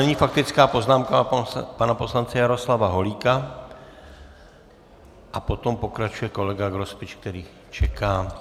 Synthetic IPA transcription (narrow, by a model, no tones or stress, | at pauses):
nɛɲifak̚t̪ɪt͡skaːpo̞znaːmkapanapo̞slant͡sɛjaɾo̞slavaɦo̞liːka | ʔapo̞t̪o̞mpo̞kɾat͡ʃujɛko̞lɛɡaɡɾospɪt͡ʃk̚t̪ɛɾiː | t͡ʃɛkaː